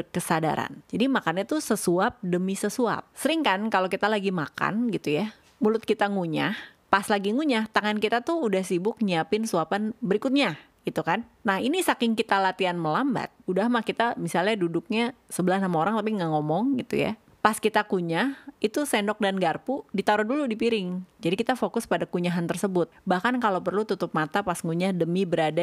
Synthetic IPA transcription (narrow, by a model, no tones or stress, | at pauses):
kəsada̰ɾa̰nd͡ʒadimakanɲat̪usəsuap̚dəmisəsua̰p̚səɾɪŋkankalokit̪alaɡimaka̰nɡit̪uja | mulʊt̪̚kit̪aŋuɲahpaslaɡiŋuɲaht̪aŋankit̪at̪ʊudahsibʊk̚ɲiapɪnsuapanbəɾikʊt̪̚ɲa | ɡ̥it̪ukanːahinisakɪŋkit̪alat̪ianməlamba̰t̪̚udahmahkit̪amisalɲadudʊk̚ɲasəbəlahnamaoɾaŋt̪apiŋaʔŋomɔŋɡit̪ṵja̰ | paskit̪akuɲahit̪usɛndɔk̚danɡarpudit̪aɾɔduludipiɾɪŋd͡ʒadikit̪afokʊspadakuɲaɦant̪ərsəbʊt̪̚bahkankalopərlut̪ut̪ʊp̚mat̪apasŋuɲahdəmibəɾada